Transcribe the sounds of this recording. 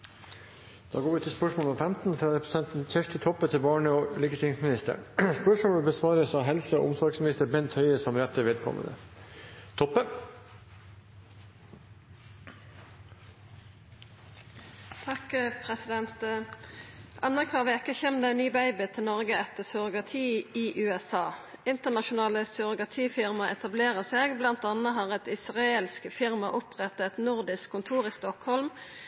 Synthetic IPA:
d̪̥ɑːɡoːʉːt̪ʰɪspœʂmoːləɔmfɛmt̪n̩fɾɑɾɛpɾɛsɛnt̪n̩çʰæʂt̪ɪt̪ʰɔpːət̪ʰɪbɑːɳəoːliːkət̪ʰɪŋsmɪnɪst̪ə̰ɾspœʂmoːlbəsʋɑːɾəsɑːɦɛlsəo̰ʔʊmsɔɾɡsmɪnɪst̪əɾbɛnt̪ʰhœʏəsɔmɾɛt̪ʰəʋeːd̪kʰɔ̰mːə̰nə̰ | t̪ʰɔpːə | t̪ʰɑkpʰʁɛsɪd̪ɛnt̪ | ʔɑnəʁkʰʋɑːʁʋɪɛkːəçɛmd̪ɛnyːbæɪbɪt̪ʰɪnɔʁɡəɛt̪əʁsʉʁʊɡɑt̪ʰiːiːʔʉːɛsɑːɪnt̪əʁnɑʃʊnɑːləsœʁʊɡɑt̪ʰiːfɪʁmɑʔɛt̪ɑbleːʁəseːɡblɑnt̪ɑnəɦɑːʁɛt̪ɪsʁɑelskəfɪʁmɑʔɔpʰʁɛt̪ɛt̪nʊʁd̪ɪskʰːʊnt̪ʰuːʁiːst̪ɔkhɔlm

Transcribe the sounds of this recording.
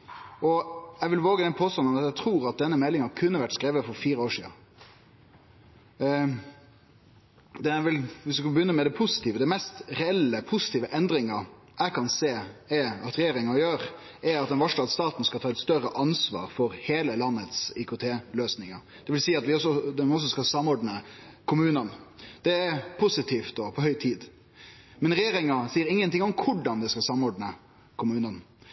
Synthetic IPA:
ɔæɪʋɪlʋoːɡəd̪ɛnpʰoːst̪ɑnɔmɑt̪æt̪ʰɾuːɾɑt̪̚d̪ɛnːəmɛlːɪŋɑkʰʉnːəʋæʈːskɾeːʋəfɔɾfiːɾəoːʂḭːɑ̰ | d̪ɛʋɪlʋɪsʋɪskɑbəjʏnːəmɛd̪ɛpʰʊsɪ̥t̪ʰiːʋəd̪ɛɪmɛst̪ɾɛɛlːəpʰʊsɪt̪iːʋəʔɛnd̪ɾɪŋə | ʔæɪkʰɑnseːɛɑt̪ɾɛjeːɾɪŋɑjøːɾ | ɛɾɑt̪̚d̪ɛnʋɑʂʈɑːd̪st̪ɑːt̪n̩skɑlt̪ʰɑːɛt̪st̪œɾəʔɑnsʋɑ̰ːɾfɔɾheːləlɑnːət̪sikʰʊt̪ʰeːløːsnɪŋɑɾ | d̪̥ɛʋɪlsiːɑt̪ʋɪɔsɔd̪ɛɔs̬ɔskɑsɑmːɔɖnəkʰʊmʉːnənd̪̥ɛɛpʰʊsɪt̪ʰiːft̪̚d̪ɔpʰɔhœʏt̪ʰiːd̪ | mɛnɾɛjeːɾɪŋɑsiːəɾɪŋːənt̪ɪŋɔŋkʰʊɖɑnd̪ɛskɑsɑmɔɖnə | kʰʊmʉːnən

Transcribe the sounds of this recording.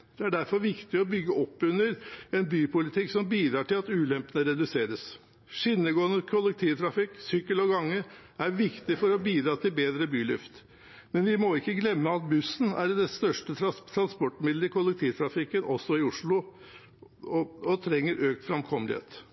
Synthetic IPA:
d̪ɛæɖæɾfɔɾʋɪkt̪ɪɔbʏɡːəʔɔpːʉnːəɾɛnbyːpʰʊlɪt̪ʰɪksɔmbiːd̪ɾɑːʈɪlɑt̪ʉːlɛmpənəɾɛd̪ʉseːɾəs | ʂɪnːəɡoːənəkʰʊlɛk̚t̪ʰiːʋt̪ʰɾɑfɪksʏkːəlɔɡɑŋːəæɾʋɪkt̪ɪfɔɾɔbiːd̪ɾɑːt̪ʰɪlbeːd̪ɾəbyːlʏ̰ft̪ | mɛnʋɪmɔɪkːəɡlɛmːəɑt̪̚bʉsːn̩æɾd̪ɛst̪œʂʈət̪ʰɾɑnspɔʈːmɪd̪ləɪkʰʊlɛk̚t̪ʰiːʋt̪ʰɾɑfɪkːənʔɔsːɔɪʊʂɭʊ | ɔt̪ʰɾɛŋːəɾʔøːk̚t̪fɾɑmkʰɔməlɪ̰hḛːt̪

